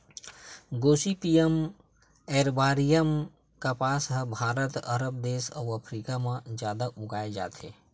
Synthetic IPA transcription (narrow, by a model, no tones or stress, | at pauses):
ɡoːsipijəm | ɛːɾbaːɾijəm | kapaːsɦbʱaːɾət̪ə̰ɾəp̚d̪eːʃɔ̰ːəpʰɾikamãd͡ʒjaːd̪aʔʊɡaːed͡ʒa̰ːt̪ḛː